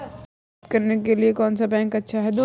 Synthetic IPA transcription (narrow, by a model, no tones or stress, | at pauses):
kɐɾnekeliekɔːnsabɛ̃ːŋkɐtːʃʰaɦɛd̪o